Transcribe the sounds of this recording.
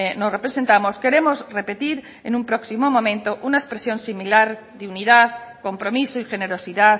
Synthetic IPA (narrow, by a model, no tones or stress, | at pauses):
nosrepɾesent̪amoske̞ɾemozre̞pe̞t̪iɾ | enũmpɾoksimomõmẽ̞nt̪oʔunaespɾesjõ̞nsimilaɾ | ðeuniðaðkompɾomisoixeneɾosiða